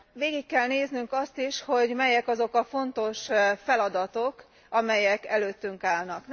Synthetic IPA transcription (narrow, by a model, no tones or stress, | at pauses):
ʋeːɡikːɛlneːznyŋkɒst̪iʃho̞ɟmɛjɛkɒzo̞kɒfo̞nt̪o̞ʃfɛlɒd̪ɒt̪o̞k | ɒmɛjɛkɛløːt̪ːyŋkaːlnɒk̪